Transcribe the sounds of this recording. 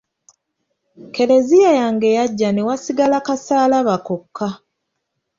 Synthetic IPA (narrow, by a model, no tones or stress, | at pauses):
ke̞ɾe̞zijajaŋɡe̞jaɟːane̞wasiɡalakasaːlaβakokʰːa